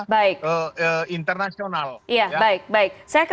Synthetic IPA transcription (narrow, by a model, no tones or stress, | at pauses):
baɪk̚əəint̪ərnasionaljabaɪk̚baɪk̚sajak